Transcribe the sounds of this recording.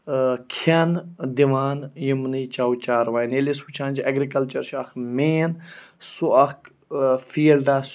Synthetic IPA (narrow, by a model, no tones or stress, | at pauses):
kʰɐnd̪iʋaːnjimniːt͡ʃawt͡ʃaːɾʋaːjnelisut͡ʃʰãːnʲd͡ʒɐɡɾikɐlt͡ʃɐɾʃɐkmeːnsuɐk | fiːlɖas